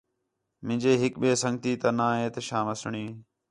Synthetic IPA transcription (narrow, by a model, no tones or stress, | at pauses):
mɪ̃ːd͡ʒeːɦɪkɓeːsə̃ŋɡt̪iːt̪ənãːɦẽːt̪əʃãːməsɳiː